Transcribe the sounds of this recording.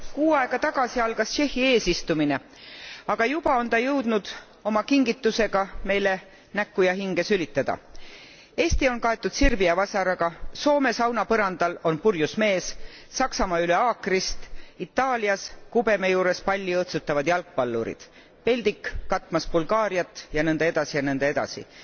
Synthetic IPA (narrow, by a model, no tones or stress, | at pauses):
kuːɑeɡ̥ɑt̪ɑɡ̥ɑsiɑlɡ̥ɑst͡ʃe̞hːie̞ːsist̪umine̞ | ɑɡ̥ɑjub̥ɑo̞nt̪ɑjɤwd̪̥nud̪̥ | o̞mɑkiŋɡ̥it̪ˑːuse̞ɡ̥ɑme̞jle̞ | nækːˑujɑɦiŋɡ̥e̞sylit̪ːˑɑd̪̥ɑ̰ | e̞ːst̪io̞nkɑe̞t̪ːˑud̪̥sirviɑvɑsɑɾɑɡɑso̞ːme̞sɑwnɑpɤɾɑnd̪̥ɑlo̞npurjusme̞ːs | sɑksɑmɑːyle̞ɑːkrist̪it̪ːˑɑːliɑskube̞mejuːɾe̞spɑlʲːiɤht̪sut̪ːˑɑvɑd̪jɑlk̚pɑlːṵɾḭd̪̥ | pe̞lʲd̪ikːɑt̪ːˑmɑsbulɡ̥ɑːɾiɑt̪ːjɑnɤnd̪̥ee̞d̪̥ɑsijɑnɤnd̪ee̞d̪̥ɑ̰sḭ